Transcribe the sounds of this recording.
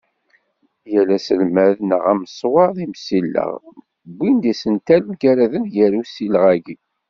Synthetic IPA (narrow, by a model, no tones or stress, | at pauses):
jælæsəlmæðnəʁæməsˤwɑðimsilːə̰ʁ | bːind̪isənt̪æləmɡæɾæðənjæɾusilʁæɡi